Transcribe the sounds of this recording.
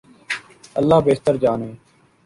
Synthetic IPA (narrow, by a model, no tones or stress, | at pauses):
əlːaːbeːt̪əɾd͡ʒaːnɦeː